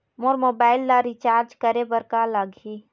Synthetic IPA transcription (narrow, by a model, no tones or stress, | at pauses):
moːɾmoːbaːɪlːaɾit͡ʃaːɾd͡ʒkəɾebəɾkalaɡʱi